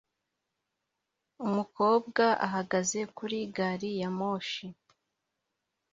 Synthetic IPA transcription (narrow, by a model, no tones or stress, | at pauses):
umuko̞ːbɡaʔa̰ɦaɡaze̞kuɾiɡaɾijamo̞ːʃi